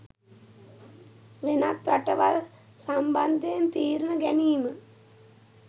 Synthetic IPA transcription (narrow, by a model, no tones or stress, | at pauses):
ʋenat̪ʋaʈəʋa̰l | samband̪eent̪iːɾnəɡæniːmə